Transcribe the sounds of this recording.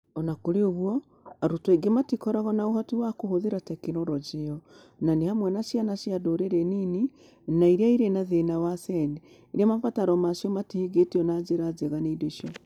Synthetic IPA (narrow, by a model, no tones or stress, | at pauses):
ɔnakoɾeoβwɔ | aɾotweɡematikɔɾaɣɔnaohɔtiwakohoðiɾatɛkenɔɾɔd͡ʒeɔ | nanehamwɛnasjanaʃjadoɾeɾenini | naiɾeaiɾenaðenawasɛne | iɾiamafataɾɔmaʃiɔmatihiɡetiɔnazeɾazeɣaneideʃiɔ